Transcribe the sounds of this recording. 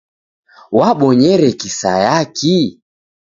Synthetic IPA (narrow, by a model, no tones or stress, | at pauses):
waɓɔɲɛɾɛkisa̰jaki